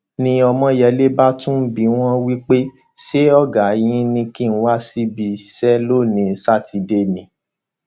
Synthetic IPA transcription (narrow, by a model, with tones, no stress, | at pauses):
nĩ˧ɔ˧mɔ̃˧jɛ˧˦le˦ba˦tũ˦bi˨˦w̃ɔ̃˦wi˦k͡pe˦ | ʃe˦ɔ˦˨ɡa˨˦jĩ˦nĩ˧ki˦˨n̩˦wa˦si˦bi˧sɛ˦lo˦˨nĩ˨˧˦sa˦˨tʰi˧de˧˦nĩ˨